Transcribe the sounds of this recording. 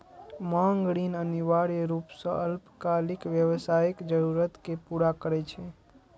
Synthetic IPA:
maŋɡɽinəniʋaɾɾupsə̃əlpkalikʋjəʋsaikd͡ʒəɾuɾət̪kepuɾakəɾɛt͡ʃʰɛ

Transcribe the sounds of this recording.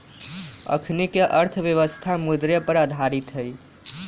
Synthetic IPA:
ə̰kʰnikeʔəɾt̪ʰʋjeʋəst̪ʰamud̪ɾjepəɾad̪ʱaɾit̪ɦəj

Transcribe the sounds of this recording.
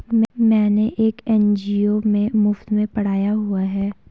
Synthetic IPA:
mmɛ̃ːneʔeːkɛnd͡ʒiːomẽmʊft̪mẽpɐɽ̤aːjaɦuaɦɛː

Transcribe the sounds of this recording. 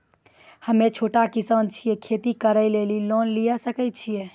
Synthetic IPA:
həmet͡ʃʰoʈakisənt͡ʃʰijɛkʰet̪ikəɾəjlelilonlijasəkət͡ʃʰijɛ

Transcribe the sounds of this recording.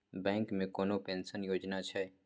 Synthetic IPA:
bɛ̃ːŋkmẽkoːnopẽːnsənjoːd͡ʒnat͡ʃʰɛ

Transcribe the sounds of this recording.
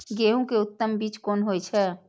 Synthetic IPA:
ɡeɦũkeʊt̪ːəmbiːt͡ʃkoːnɦojt͡ʃʰɛ

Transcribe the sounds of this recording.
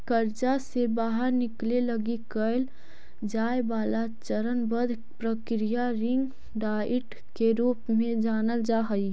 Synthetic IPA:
kəɾd͡ʒasebaːɦəɾnɪkleləɡikəɪl | d͡ʒaːebaːlat͡ʃəɾənbəd̪ʱ | pɾəkɾijaɾɪ̃ŋɡ | ɖaːɪʈ | keɾuːpmẽd͡ʒaːnəld͡ʒaːɦəi

